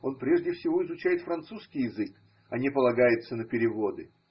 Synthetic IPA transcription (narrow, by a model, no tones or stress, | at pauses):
o̞npɾʲe̞ʐdʲɪfsʲɪvo̞ɪzʊt͡ɕæjɪt̪fɾɐnt̪suskʲɪjɪzɨk | ɐnʲepəlˠɐɡajɪt̪sənəpʲɪɾʲɪvo̞d̪ɨ